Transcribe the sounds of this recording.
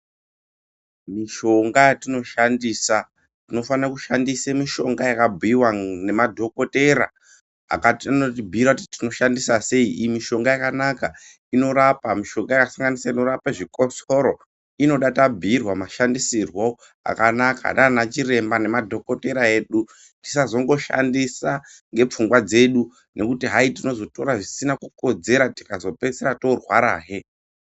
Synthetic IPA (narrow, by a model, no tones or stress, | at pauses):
miʃo̞ŋɡajatino̞ʃandiːsa | tino̞fanrakuʃandisemiʃo̞ŋɡajakabʱiiwanemadʱo̞ko̞te̞ɾa̰ | a̰katianot̬ibʱiirautitino̞ʃandisase̞iʔimiʃo̞ŋɡajakanaka | ino̞ɾapamiʃo̞ŋɡajakasaŋɡanisatino̞ɾapaʐiko̞so̞ɾo̞ | ino̞ɗatabʱirwamaʃandisirwo | a̰kanaka̰ɗanat͡ʃire̞mbane̞madʱo̞ko̞te̞ɾae̞ːɗu | ti̥sazo̞ŋɡo̞ʃa̰ndisaŋɡe̞p͡fuŋɡwad͡ze̞ɗu | ne̞kutiɦaitino̞zo̞to̞ɾaʐisinakuko̞d͡ze̞ɾati̥kazo̞pe̞seɾato̞rwaɾa̰ːɦe̞